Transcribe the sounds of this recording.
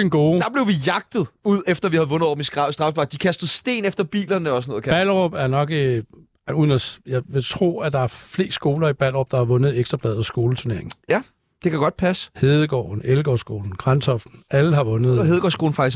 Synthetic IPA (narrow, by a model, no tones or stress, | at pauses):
enɡ̥o̝ːd̥ɑ̈b̥le̝ʊʋijɑ̈ɡ̥̚d̥ð̩ˠuð̰ˠefd̥ɐʋihæð̩ˠʋɔ̽nð̩ˠɒ̰ːb̥m̩issd̥ʁɑ̈fb̥lɑ̈ɡ̥̚d̥ikʰæsd̥ð̩ˠsd̥e̝̰ːnefd̥ɐb̥ḭːlɐnəɒ̽sɔnɔð̩ˠkʰb̥ælʁɔb̥æɐnɒ̽ɡ̥ | uðˠnɒjɑ̈ɪʋe̝t͡sʰʁo̝̰ːæd̥ɑ̈æɐfle̝̰ːsɡ̥o̝ːlɐib̥æl̰ʁɔb̥d̥ɑ̈hɑ̈ʋɔ̽nəð̞̩ˠeɡ̥d̥ʁɐb̥ʰlɛð̩ˠɒ̽sɡ̥o̝ːlət͡sʰune̝ɐeŋnjæ | d̥e̝kʰæɡ̥ɒ̽d̥̚pʰæsə̥heðˠəɡ̥ɒ̰ːn̩elɡ̥ɒ̰sɡ̥o̝̰ːln̩ɡ̥ʁansɒfd̥n̩æləɦɑ̈ʋɔ̽nəð̩ˠɦeð̞ˠəɡ̥ɒ̰ːsɡ̥o̝ːln̩fɑ̈ɡ̥is